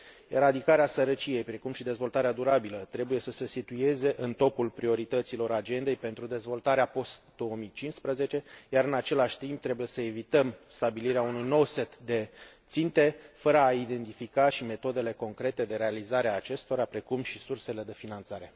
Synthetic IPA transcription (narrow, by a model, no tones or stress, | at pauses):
eɾad̪ikaɾeasəɾət͡ʃije̞jpɾe̞kumʃid̪e̞zvo̞lt̪aɾead̪uɾabilət̪ɾe̞buje̞səse̞sit̪uje̞ze̞ʔɨnt̪o̞pulpɾio̞ɾit̪ət̪silo̞ɾad͡ʒe̞nd̪e̞jpe̞nt̪ɾud̪e̞zvo̞lt̪aɾeapo̞st̪d̪̥o̞omijt͡ʃinspɾəze̞t͡ʃe̞jaɾɨnat͡ʃe̞laʃʲt̪imb̚t̪ɾe̞buje̞səe̞vit̪əmst̪abiliɾeaunujno̞wse̞t̪d̪e̞t̪sint̪e̞fəɾəaid̪e̞nt̪ifikaʃime̞t̪o̞d̪e̞le̞ko̞ŋkɾe̞t̪e̞d̪e̞ɾe̞alizaɾeaːt͡ʃe̞st̪o̞ɾapɾe̞kumʃisurse̞le̞d̪e̞finant̪saɾe̞